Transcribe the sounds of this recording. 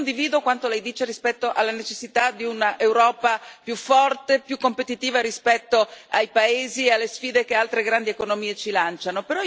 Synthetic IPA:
nd̪iviːd̪okwant̪olɛjd̪iːt͡ʃeɾispɛt̪ːoʔalːanet͡ʃesːit̪ad̪iunaʔewɾɔːpapjufːɔrt̪epjukːompet̪it̪iːvaɾispɛt̪ːoajpaeːziealːesfiːd̪ekealt̪ɾeɡɾand̪iekonomiːet͡ʃilant͡ʃanopeɾɔ

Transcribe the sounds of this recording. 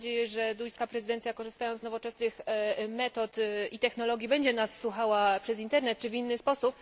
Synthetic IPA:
d͡ʑejɛʐɛd̪ujskapɾɛzɘd̪ɛnt̪sʲjakɔʐɘst̪ajɔnt̪nɔvɔt͡ʂɛsnɘxmɛt̪ɔt̪it̪ɛxnɔlɔɡʲibɛɲd͡ʑɛnasːwuxawapʂɛzint̪ɛɾnɛt̪̚t͡ʂɘvinːɘspɔsup

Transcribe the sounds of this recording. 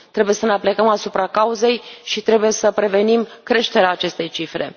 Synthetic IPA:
t̪ɾe̞buje̞səneaplekəmasupɾakauze̞jʃit̪ɾe̞buje̞səpɾe̞ve̞nimkɾe̞ʃt̪e̞ɾeaːt͡ʃe̞st̪e̞jt͡ʃifɾe̞̰

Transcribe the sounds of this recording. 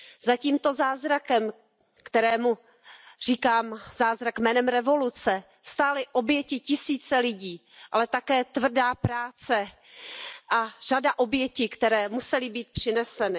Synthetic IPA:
zaciːmt̪o̞zaːzɾakɛm | kt̪ɛɾɛːmu | r̝iːkaːmzaːzɾakmɛːnɛmɾɛvo̞lut͡sɛ | st̪aːlɪʔo̞bjɛcɪcɪsiːt͡sɛlɪɟiː | ʔalɛt̪akɛːt̪vr̩daːpɾaːt͡sɛ | ʔar̝adaʔo̞bjɛcɪkt̪ɛɾɛːmusɛlɪbiːt̪̚pr̥ɪnɛsɛnɪ

